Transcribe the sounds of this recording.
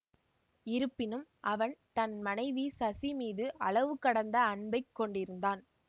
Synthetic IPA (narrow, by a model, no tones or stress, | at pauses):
ɪɾɯpːɪnɯmʔɐʋɐnt̪ɐnmɐnɐɪʋisɐsimiːðɯʔɐɭɐʋɯkɐɽɐnd̪ɐːɳbɐɪkːɔɳɖɪɾɯnd̪aːn